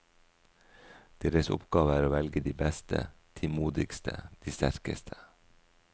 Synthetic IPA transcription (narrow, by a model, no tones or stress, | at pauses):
d̪̥eːɾəsʊ̰pɡɑːʋəæːɾoːʋɛlɡəd̪iːbɛst̪ʰə̰t̪ʰɪmuːd̪ɪkst̪ʰə̰d̪̥iːst̪æɾkə̰st̪ʰə̥